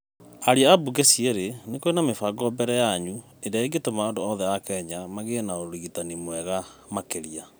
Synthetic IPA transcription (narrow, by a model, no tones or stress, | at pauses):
aɾiaabuɡesiɛɾenekoenamefaɡɔbɛɾɛjaɲu | eɾaeɡetomaondoɔðɛakɛɲamaɣenaoɾiɣitanimowɛɣamakeɾia